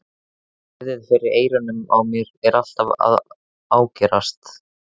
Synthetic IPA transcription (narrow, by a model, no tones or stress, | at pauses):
ɛðɪðfɪɾɪɾeːjɾʏnʏma̰wmjɛɾɛɾal̥t̪ava̰ð | aːwcɛɾast̪